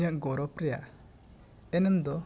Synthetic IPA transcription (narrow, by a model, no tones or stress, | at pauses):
jaʔɡɔɾɔpɾɛja̰ | ɛnɛmd̪ɔ